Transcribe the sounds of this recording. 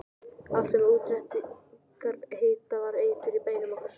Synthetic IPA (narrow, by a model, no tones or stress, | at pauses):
alt̪sɛmauːt̪ɾɛht̪ɪ | kaɾheːjt̪avaɾeːjt̪ʏɾipeːjnʏmɔkaɾ̥